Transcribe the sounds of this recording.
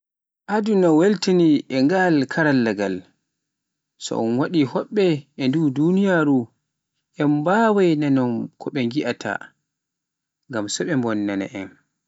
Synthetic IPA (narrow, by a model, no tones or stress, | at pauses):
ʔadunɔweltiniʔɛŋɡalkʰaɾalːɛɡal | sɔ̰ʔɔnwaɗihɔɓːɛɛndudunijaɾu | ʔɛmbaːwajnanɔnkʰɔɓɛŋɡiʔatʰa̰ | ŋɡamsɔɓɛmbɔnːana̰ʔɛn